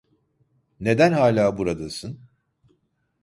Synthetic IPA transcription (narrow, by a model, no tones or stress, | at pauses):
ne̞d̪ænhaːlʲaːbuɾad̪asɯn